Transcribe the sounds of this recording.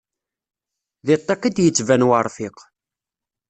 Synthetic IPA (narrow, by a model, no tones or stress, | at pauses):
ðɪt̪ˤːɑqid̪jət͡sːvænwaɾˤfɪq